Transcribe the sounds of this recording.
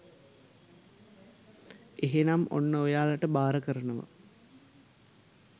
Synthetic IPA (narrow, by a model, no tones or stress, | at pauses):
eɦenamo̰nːəojaːlaʈəbaːɾəkəɾənəʋə̰